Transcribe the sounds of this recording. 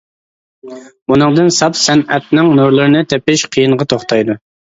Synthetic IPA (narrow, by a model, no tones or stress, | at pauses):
bunɨŋd̪ɨnsɑpsɛnɛt̪̚nɪŋnuɾlˠɨɾɨnɨt̪ʰɛpɪʃqʰəjɨɴʁɑt̪ʰoχt̪ʰɑjd̪u